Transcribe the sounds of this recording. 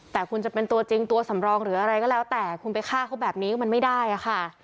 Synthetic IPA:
t̪ɛː˨˩kʰu˧nt͡ɕa˨˩pe˧nt̪u˧ɐt͡ɕi˧ŋt̪u˧ɐsa˩˦mɾɔː˧ŋɾɯː˩˦ʔa˧ɾa˧jkɔː˥˩lɛː˦˥wt̪ɛː˨˩kʰu˧npa˧jkʰaː˥˩kʰa˦˥wbɛː˨˩p̚niː˦kɔ˥˩ma˧nma˥˩jda˥˩jʔa˨˩xʰa˥˩

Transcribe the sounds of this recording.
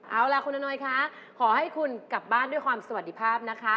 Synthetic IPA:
ʔaː˨˧˩wla˧˩ku˧nːa˧nɔː˧jkʰa˦˥ | kʰɔː˩˦ha˥˩jkʰu˧nka˨˩p̚baː˥˩ndu˥˩jkwaː˧msa˧wa˨˩d̪iː˦˥˩pʰaː˥˩p̚na˦˥kʰa˦˥

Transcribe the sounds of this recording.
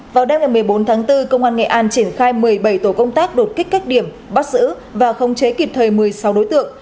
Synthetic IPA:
vaː˨˩wɗe˧ŋ͡mŋa˨˩jmɨ˨˩əjɓo˨˦nt̪ʰaː˨˦ŋt̪ɨ˧kə˧wŋ͡mʔaː˧nŋɛ̰˧˨ʔaː˧nt͡ɕi˧˩ənxaː˧jmɨ˨˩əjɓə˧˩jt̪o˧˩kə˧wŋ͡mt̪aː˦˥k̚ɗo˨˩t̚kï˦˥k̟kːaː˦˥k̚ɗi˧˩əm | ɓa˦˥t̚zɨ̰˧˥ | vaː˨˩xə˨˧wŋ͡mt͡ɕe˨˦ki˨˩p̚t̪ʰəː˨˩jmɨ˨˩əjsa˨˦wɗo˨˦jt̪ɨ̰˧˨əŋ

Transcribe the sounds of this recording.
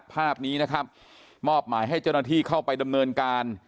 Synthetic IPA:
pʰaː˥˩p̚niː˦˥na˦˥kʰa˦˥p̚ | mɔː˥˩p̚maː˩˦jɦa˥˩jt͡ɕaː˥˩wna˥t̪ʰiː˥˩kʰa˥˩wpa˧jda˧mnɤː˧nkaː˧n

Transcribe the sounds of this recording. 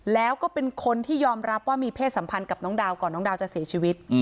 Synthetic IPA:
lɛː˦˥wkɔː˥˩pe˧nkʰo˧nt̪ʰiː˥˩jɔː˧mɾa˦˥p̚waː˥˩miː˧pʰeː˥˩t̪̚sa˩˦mpʰa˧nka˨˩p̚nɔː˦˥ŋdaː˧wkɔː˨˩nːɔː˦˥ŋdaː˧wt͡ɕa˨˩ʔsi˨˩˦t͡ɕʰiː˧wi˦˥t̪̚

